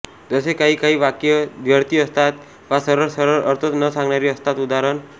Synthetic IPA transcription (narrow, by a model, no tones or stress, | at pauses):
d͡zɔsekaɦikaɦiːʋakjəd̪ʱjəɾt̪iəst̪ʰat̪ | ʋasəɾəɾsəɾəɾəɾt̪ʰət̪nəsãŋɡnaɾiəst̪ʰat̪ud̪aɾən